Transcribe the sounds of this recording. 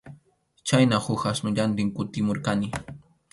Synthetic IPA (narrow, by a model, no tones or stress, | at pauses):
t͡ʃajnahʊxasnʊʎant̪ɪŋkʊt̪ɪmoɾkanɪ